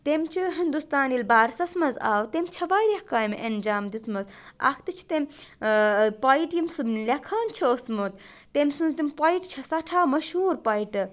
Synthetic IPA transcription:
t̪emt͡ʃʰuɦind̪ust̪aːnilbaːɾsɐsmɐza̰ːwt̪emʲt͡ʃʰɐʋaːjɾehkaːjmʔɐnd͡ʒaːmd̪ismɐzɐ̰kʰt̪ɨt͡ʃʰi̥t̪emʲ | paiʈjimsumlʲɐkʰaːnt͡ʃʰiosmut̪ | t̪emʲsɨnzt̪imʲpaiʈt͡ʃʰɐsɐʈʰaːmɐʃhuːɾpɐjiʈɨ

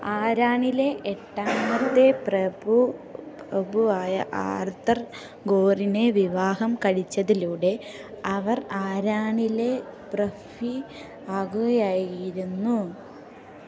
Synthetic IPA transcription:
aːɾaːɳile̞ʔeʈːaːmɐt̪ːe̞prɐbuprɐbuaːjɐ̰ʔa̰ːrt̪ɐr | ɡoːrine̞ʋiʋaːɦɐmkɐɻit͡ɕːɐðiluːɽe̞ | ɐʋɐraːɾaːɳile̞prɐfi | aːɣuɣɐjaːjɾunːu

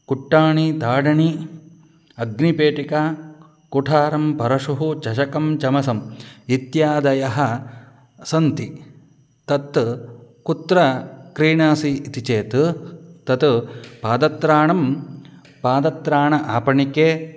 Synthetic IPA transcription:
kuʈːaːɳit̪aːɖɐɳi | ɐɡnipeːʈikaː | kuʈʰaːɾɐmpɐɾɐʂuɦut͡ʃɐʃɐkɐmt͡ʃɐmɐsɐmit̪jaːd̪ɐjɐɦɐ̆ | sɐnt̪i | t̪ɐt̪ːkut̪ɾɐkɾiːɳaːsiːt̪it͡ʃeːt̪t̪ɐt̪paːd̪ɐt̪ɾaːɳɐm | paːd̪ɐt̪ɾaːɳɐʔaːpɐɳikeː

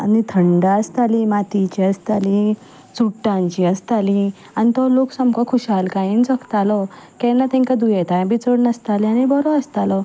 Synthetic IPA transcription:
a̰nit̪ʰəɳɖaəst̪alimat̪it͡ɕiəst̪ali | t͡suʈːãɲt͡ɕiəst̪ali | anit̪ɔloksəmkɔkʰuɕalkajĩnt͡səkt̪alɔkɛ̃nat̪ɛ̃ŋkad̪ujɛt̪ajãbʱit͡səɽnəst̪alianibɔɾɔəst̪alɔ

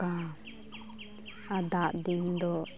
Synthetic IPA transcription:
a | ad̪aʔd̪ind̪ɔ

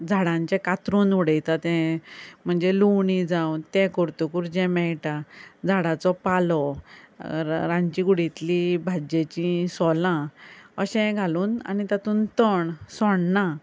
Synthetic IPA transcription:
d͡zʱaɽãɲt͡ɕɛ̃kat̪ɾunuɽəjt̪at̪ɛ̃m̤əɳd͡zeluwɳid͡zaut̪ɛ̃kɔɾt̪ukuɾd͡ʑɛmɛjʈad͡zʱaɽat͡sɔpalɔ | ɾãɲt͡ɕĩɡuɽit̪libʱad͡ʑet͡ɕĩsɔlãəɕɛ̃ɡʱaluːna̰nit̪at̪uːnt̪əɳsɔɳnã

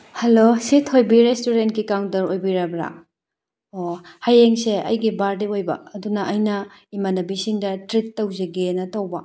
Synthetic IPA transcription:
hɐlositʰojbiɾestuɾentkikawntɐɾojbiɾabɾa̰ | ohajeŋseɐ̰jɡibaɾdiojbɐ̰ɐdunɐʔɐjnɐimanɐbisiŋdɐtɾit̚tːɐwzeɡenɐtɐwbɐ

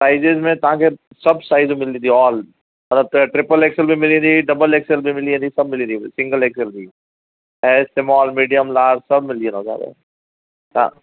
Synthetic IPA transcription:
saːɪd͡ʒezmẽt̪ɐãke | sɐbsaːɪzũmɪlid̪iɔːl | mɐt̪lɐb̚t̪oɛʈɾɪpəleːkselbʱimɪlĩd̪iɖɐbəleːkselbʱimɪliẽd̪isɐb̚mɪlid̪iisɪ̃ŋɡəleːkselbʱi | ɦɛːsemɔːlmiːɖijəmlaːɾsɐbmɪliə̃nɦoːd͡ʒa̰ːt̪ḛ | ã̰ː

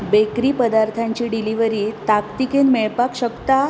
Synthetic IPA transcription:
bekɾiːpəd̪aɾt̪ʰaɲt͡ɕiːɖiliʋəɾiːt̪akt̪ikenmɛɭpakɕəkt̪a

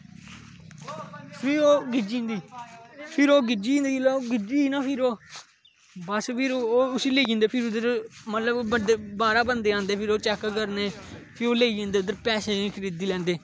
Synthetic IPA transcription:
pʰɪoːɡɪd͡ʒĩːnd̪iːpʰɪɾoːɡɪd͡ʒĩːnd̪iːloːɡɪd͡ʒiːiːnaːpʰɪɾoː | bəspʰɪɾoːʊsiːleːiːɡẽːnd̪eːpʰɪɾʊd̪əɾmət̪ləbbəd̪eːbaːɾaːbənd̪eːãːnd̪eːpʰɪɾoːt͡ʃɛkkəɾneː | pʰɪɾoːleːiːd͡ʒẽːnd̪eːʊd̪əɾpɛːseːkɾed̪iːlɛ̃ːnd̪eː

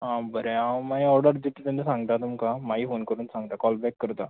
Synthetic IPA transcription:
ɦãbəɾeamaɦiɔɾɖəɾd̪it̪t̪ãnesãŋɡ̚t̪at̪umkamaɦiːfonkəɾuːnsãŋɡt̪akɔlbɛkːəɾt̪a

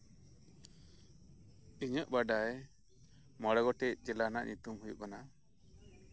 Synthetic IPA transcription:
iɲəʔbaɖaj | mɔɽɔɡɔʈɛʔ̚d͡ʒɛlanaʔɲut̪umhujṵʔkana

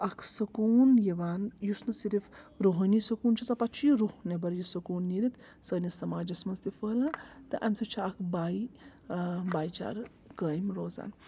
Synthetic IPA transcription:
ɐkʰsɐkuːnjɐʋaːnjusnɨsiɾifɾoːɦɐnisɐkuːnt͡ʃʰɐsɐpɐt͡ʃʰjiɾuhnebɐɾjusɐkuːnːiɾit̪ | səːnisɐmaːd͡ʒɐsmɐnzt̪ifəːlat̪ɨʔa̰msɐt͡ʃʰiakʰbaːi | baːjt͡ʃa̰ːɾ | kəːjmɾoːza̰ːn

